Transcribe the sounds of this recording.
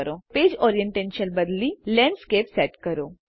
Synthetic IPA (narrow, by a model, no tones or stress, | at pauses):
ɾopeːd͡ʑɔɾijəɳʈẽnʃənbəd̪lilɛ̃ɳɖskepsɛʈkəɾo